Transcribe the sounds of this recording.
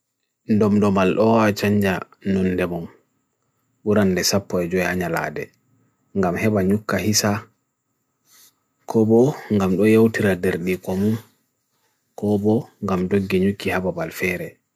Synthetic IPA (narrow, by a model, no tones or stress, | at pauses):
ndɔmdɔmalɗɔwat͡ʃaɲd͡ʒa | nɔnːdɛmɔm | ɓuɾandɛsapːɔɛd͡ʒɔɛhaɲala̰ːdɛ | ŋɡamhɛɓaɲukːahisa | kʰɔbɔŋɡamɗɔjewtiɾadɛɾɗikɔmun | kɔbɔŋɡamdoɡːiɲukːihababalfɛɾɛ